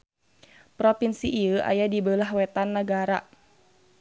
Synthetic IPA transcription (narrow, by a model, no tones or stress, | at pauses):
pɾopinsiʔiəʔa̰jadibəlaɦwɛt̪anːəɡaɾa